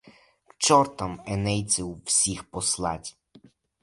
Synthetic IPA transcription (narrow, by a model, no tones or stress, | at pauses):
kt͡ʃɔɾt̪ɐmɛnɛj̪t͡s̪ʲɪwːsʲixpɔslˠɑ̰tʲ